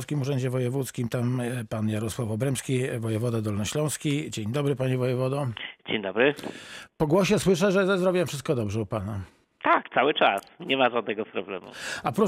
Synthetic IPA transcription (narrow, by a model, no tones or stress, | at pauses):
skʲimuʐɛɲd͡ʑɛvɔjɛvut̪skʲimt̪ampanjaɾɔswafɔbɾɛmskʲivɔjɛvɔd̪ad̪ɔlnɔɕlɔ̃w̃skʲid͡ʑeɲd̪ɔbɾɘpaɲivɔjɛvɔd̪ɔd͡ʑeɲd̪ɔbɾɘpɔɡwɔɕɛswɘʂ̬ɛʐɛzɛzɾɔvʲbʲiwɛfʂɘst̪̚kɔd̪ɔbʐɛupana | t̪akt̪sawɘt͡ʂa̰sɲɛmaʐad̪nɛɡɔspɾɔblɛ̰mṵapɾɔ